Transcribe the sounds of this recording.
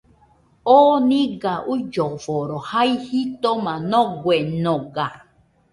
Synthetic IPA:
oːnĩɡaʔud͡ʒɔvɔɾɔhaihit̪ɔmãnɔ̃ɡʷwenɔ̃ɡa

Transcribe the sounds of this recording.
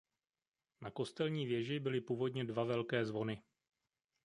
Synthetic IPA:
nako̞st̪ɛlɲiːvjɛʒɪbɪlɪpuːvo̞dɲɛdvavɛlkɛːzvo̞nɪ

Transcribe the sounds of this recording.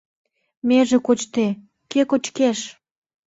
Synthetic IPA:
meʒĕkot͡ɕt̪e | kekot͡ɕkeʃ

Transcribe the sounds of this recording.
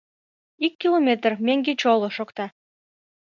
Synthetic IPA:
ikʲːilˠomʲet̪rmeŋɡet͡ɕolˠoʃokt̪ɑ

